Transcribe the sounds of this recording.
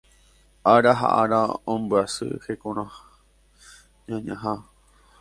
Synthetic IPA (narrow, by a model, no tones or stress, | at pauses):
aɾaɦa̰ʔaɾaõmbɨasɨ̰hekõɾ̃ã | ɲãɲãɦa